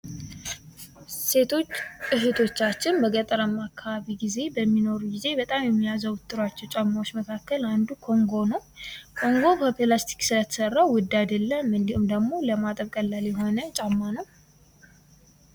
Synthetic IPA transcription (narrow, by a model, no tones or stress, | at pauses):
set̪ʰot͡ʃːʼɨɦet̪ʰo̞t͡ʃːat͡ʃːɪnbəɡət̪ʼəɾəmakʰːaβaβiɡize̞bəmːino̞ɾuɡize̞bət̪ʼamjɛmːijazəwʊt̪ʼːɨɾwat͡ʃːɛwt͡ʃʼamːawot͡ʃːməkʰakːəland̪ukʰo̞ŋɡo̞nəwkʰo̞ŋɡo̞kʰopʰilast̪ʰi̥ksɨlət̪ʰə̥sərːawʊd̪ːad̪əlːəmɨnd̪ihumd̪əɡmo̞ləmat̪ʼəβkʼəlːaljɛɦo̞nət͡ʃʼamːanəw